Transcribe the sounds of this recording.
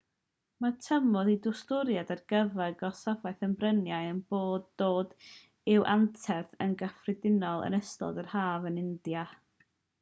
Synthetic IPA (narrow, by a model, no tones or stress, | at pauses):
matʰəmɔðidʊstʊɾjadarɡ̥əvɛɡɔsavajθəmbrənjaɨənb̥oːdoːd | ɪwʔantʰɛθənɡəfrɪdɪnɔlˠə̰nəstɔ̰dərhaːvənɪndja